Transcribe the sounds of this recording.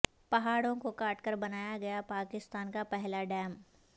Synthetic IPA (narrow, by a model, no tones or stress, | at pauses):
pɐɦaːɽõkokaːʈkəɾbɐnaːjaɡɐjapaːkɪst̪aːnkapɛɦlaɖɛːm